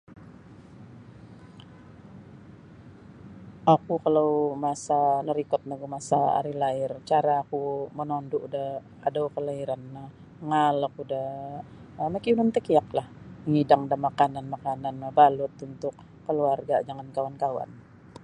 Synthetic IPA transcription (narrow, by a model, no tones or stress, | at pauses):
ʔakukalawmasanəɾikɔt̪̚naɡumasaa̰ɾilaɪrt͡ʃaɾaːkumənɔnduʔudah | adawkəlaiɾanːah | ŋalakudah | məkiunant̪əkiak̚lahməŋidaŋdahmakananmakananbalʊt̪unt̪ʊkː | əluarɡad͡ʒaŋankawankawa̰n